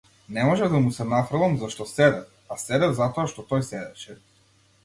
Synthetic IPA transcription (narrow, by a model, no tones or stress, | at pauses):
nɛmɔʒɛvd̪amusɛnafɾalˠamzaʃt̪ɔsɛd̪ɛf | asɛd̪ɛvzat̪ɔaʃt̪ɔt̪ɔjsɛd̪ɛʃɛ